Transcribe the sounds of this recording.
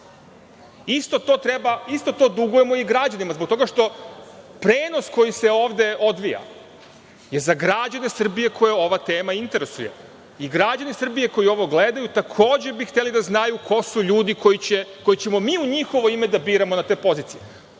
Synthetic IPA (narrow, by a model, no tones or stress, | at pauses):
ist̪o̞t̪oːt̪ɾebaist̪o̞t̪o̞ːd̪uɡuje̞mo̞iɡɾad͡ʑanimazbok̚t̪o̞ɡaʃt̪o̞ | pɾe̞ːno̞sko̞jise̞o̞ːʋd̪e̞o̞d̪ʋija̰ | je̞zaɡɾad͡ʑanesr̩bije̞kʰo̞jeo̞ʋat̪e̞ːmaint̪e̞ɾesuje̞̰ | iɡɾad͡ʑanisr̩bije̞ko̞jio̞ʋo̞ɡle̞d̪ajut̪akʰo̞ːd͡ʑebixt̪e̞lid̪aznajukʰo̞suʎuːd̪ikojit͡ɕeko̞jit͡ɕe̞mo̞miːuɲixo̞ʋo̞imed̪abiːɾamo̞nat̪e̞ːpo̞ziːt̪sije